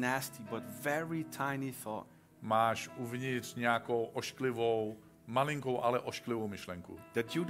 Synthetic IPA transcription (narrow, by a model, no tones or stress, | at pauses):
næstibʌtvɛɹitʰãɪ̃niθɔ̰t̚ | maːʃʔuvɲɪtr̥ɲɛakowʔoʃklɪvow | malɪŋkowʔalɛʔoʃklɪvowmɪʃlɛŋkṵd̪̥ɨtu